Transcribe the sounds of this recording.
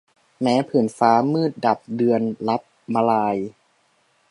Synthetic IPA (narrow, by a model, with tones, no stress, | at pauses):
mɛː˦˥pʰɯ˩˦nfaː˦˥mɯː˥˩t̪̚da˨˩p̚dɯ˧ənla˦˥p̚ma˧laː˧j